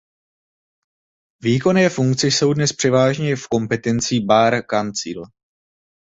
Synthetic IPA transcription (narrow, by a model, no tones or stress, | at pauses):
viːko̞nɪɛfuŋkt͡sɪso̞wdnɛspr̝̥ɛvaːʒɲɛfko̞mpɛt̪ɛnt͡siːbaːɾkant͡sḭːl